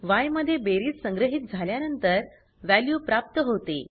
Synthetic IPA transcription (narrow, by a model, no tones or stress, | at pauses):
ʋajməd̪ʱːjebeɾiːt̪səŋɡɾəɦit̪̚d͡zʱaljanənt̪əɾ | ʋæljuːpɾap̚t̪əɦot̪ḛ